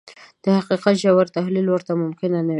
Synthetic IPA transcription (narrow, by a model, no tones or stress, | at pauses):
d̪̥əhaqiqat̪ʒawaɾt̪aɦlilwəɾt̪amʊmkɪnanawi